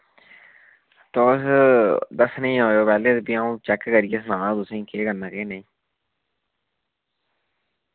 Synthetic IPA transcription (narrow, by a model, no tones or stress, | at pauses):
t̪oːsd̪əsnəĩːɦoːoːpɛːleːt̪biaːũːt͡ʃɛːkkəɾijeːs̬nãːãːd̪ʊsẽĩkeːkəɾnãːkeːnəĩː